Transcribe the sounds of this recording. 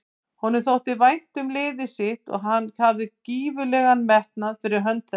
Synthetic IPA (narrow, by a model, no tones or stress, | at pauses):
hɔnɪɾθowht̪ɪvajn̥t̪ʏmlɪːðɪsɪht̪ɔ̰ɣɦanːcʰaːvðɪciːvʏlɛɣanmɛht̪naðfɪɾɪɾ̥ɦœnt̪ɛ